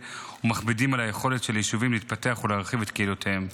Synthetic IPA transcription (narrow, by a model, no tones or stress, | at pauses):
umaχbidimalaje̞χo̞le̞tʃeljiʃuvimlit̪̚pate̞aχulaːʁχivet̪keilotʰeem